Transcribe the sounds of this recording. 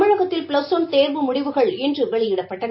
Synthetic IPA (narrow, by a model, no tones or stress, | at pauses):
mɐɻɐɣɐt̪ːɪlpɭɐsɔnt̪eːɾʋɯmʊɽɪʋɯɣɐɭɛndrɯʋɛɭɪjɪɽɐpːɐʈːɐ